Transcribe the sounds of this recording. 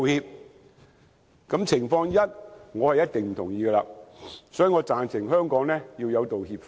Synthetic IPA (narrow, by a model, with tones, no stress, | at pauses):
hiː˧p̚ | kɐ˨˥mt͡sʰɪ˨˩ŋfɔː˧ŋjɐ˥t̚ŋɔː˨˧hɛ˨jːɐ˥t̚t̪ɪ˨ŋm̩˨˩t̪ʰʊ˨˩ŋjiː˨˧ɡə˧la̰ː˧sɔː˨˥jiː˨˧ŋɔː˨˧t͡saː˨nt͡sʰɪ˨˩ŋɦœː˥ŋkɔː˨˥ŋnɛː˥jiː˧wjɐ˨˧wt̪o˨whiː˧p̚f